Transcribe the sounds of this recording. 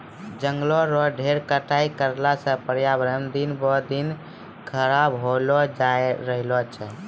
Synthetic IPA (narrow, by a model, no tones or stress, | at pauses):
d͡ʒəŋɡlɔɾɔɖʱeɾkəʈaikəɾlasə̃pəɾjabɾəmd̪inbɔd̪in | kʰəɾabɦolɔd͡ʒaeɾəɦlɔt͡ʃʰɛ